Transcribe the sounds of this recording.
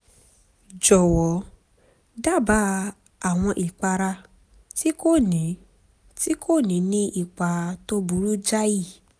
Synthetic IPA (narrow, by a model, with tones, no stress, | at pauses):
d͡ʒɔ˨wɔ˨˦ | da˦˨ba˨˦ | a˨w̃ɔ̃˧ʔi˨k͡pa˧ɾa˧ | ti˦ko˦˨nĩ˨˦ | ti˦kʰo˦˨nĩ˨˦nĩ˧˦ʔi˦˨k͡pa˨to˦bu˨˦ɾu˦d͡ʒa˦ji˦˨